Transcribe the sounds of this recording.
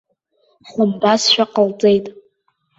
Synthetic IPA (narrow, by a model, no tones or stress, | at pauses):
ħʊmbasʃᶣaqəlt͡sʼe̞jtʼ